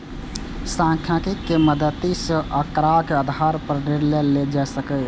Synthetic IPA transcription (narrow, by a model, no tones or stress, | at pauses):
sãkʰjãkikːeməd̪ət̪isə̃ʔəkɾakeəd̪ʱaɾpəɾneɾleled͡ʒasəkə